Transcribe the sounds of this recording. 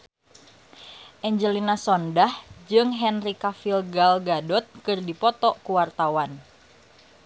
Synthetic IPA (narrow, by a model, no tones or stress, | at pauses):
ʔɛɲd͡ʒəlinasɔndahd͡ʒɨŋɦɛnrikafilɡalɡadɔt̪̚kɨrdipɔt̪ɔkuwart̪awan